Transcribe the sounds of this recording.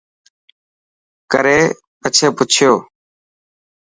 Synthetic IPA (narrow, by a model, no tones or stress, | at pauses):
kəɾeː | ət͡ʃʰeːpʊt͡ʃʰɪjoː